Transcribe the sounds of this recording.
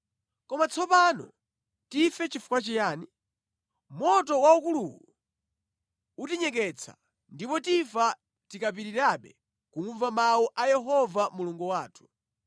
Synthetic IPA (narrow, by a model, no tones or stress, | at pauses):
kɔmat͡sʰɔpanɔ̰ | tifɛt͡ʃifu̥kwat͡ʃijaːni | mɔtɔwaukuluwu | utiɲɛk̬ɛt͡sʰa̰ | ndipɔtifa | tikap̬iɾiɾaɓɛ | kuŋuɱvamaɔʔajɛɦɔvamuluŋɡuwaːtʰu̥